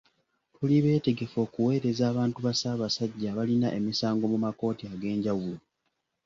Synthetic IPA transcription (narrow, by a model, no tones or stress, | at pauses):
tuliβe̞ːte̞ɡe̞fo̞ːkuwe̞ːɾe̞zaːβaːntuβasaːβasaɟːaβalinaʔe̞misaːŋɡo̞mumako̞ːtiaɡe̞ːɲɟawulo̞